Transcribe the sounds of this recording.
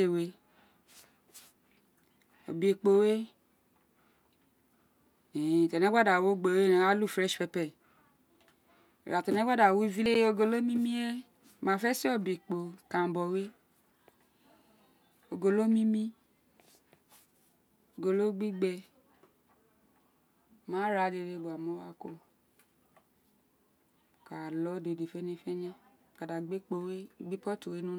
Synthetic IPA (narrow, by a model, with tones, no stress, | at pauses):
e˨we˨ | o̰˨be˨k͡po˨we˦ | e˨t̪ɔ˨nɛ̃˦ɡ͡ba˦da˨wo˦ɡ͡be˨we˦ne˨wa˦lu˦˨fɾɛ˦ʃfɛ˨pɛ˨ | a˨t̪ɔ˨nɛ˦ɡ͡ba˦da˨wo˦vi˦le˦o˦ɡo˨lo˦mĩ˦mĩ˦e˦˨ | mã˨fɛ˦se˦o˦˨be˨k͡po˨kã˨bɔ˨we˦ | o˨ɡo˨lo˦mĩ˦mĩ˦ | o˨ɡo˨lo˦ɡ͡bi˦ɡ͡bɛ˨ | mã˨˦ɾa˨de˨de˨bu˨a˨mɔ̃˦wa˦˨ko˦˨ | ka˨lɔ˨˦de˨de˨fe˦ne˨fɛ˦ɲɛ̃˦˨ | ka˨da˨ɡ͡be˦k͡po˦we˦˨ɡ͡bi˦k͡pɔ˦to˨we˦nũ˦